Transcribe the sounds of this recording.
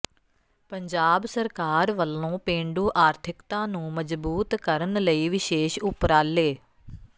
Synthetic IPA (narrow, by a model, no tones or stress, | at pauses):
pəɲd͡ʒaːbsəɾkaːɾʋəlõːpẽːɳɖuːʔaːɾt̪ʰɪkt̪ãːnũːməd͡ʒbuːt̪kəɾənləiːʋɪʃeːʃʊpɾaːleː